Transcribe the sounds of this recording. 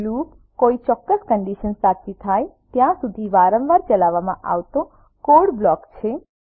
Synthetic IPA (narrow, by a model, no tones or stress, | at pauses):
lup | koit͡ʃɔkːəskəɳɖiʃənsat͡ʃit̪ʰaj | t̪jãsud̪ʱiʋaɾə̃ʋʋaɾt͡ʃəlaʋːamã̰ʔa̰ʋt̪o | koɽblɔkt͡ʃʰe